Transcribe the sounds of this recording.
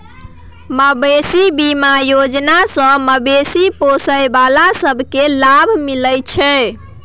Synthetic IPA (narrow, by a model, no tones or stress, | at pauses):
məbesibimajod͡ʒnasə̃məbesiposəjbalasəbʱkelabʱmiləjt͡ʃʰɛ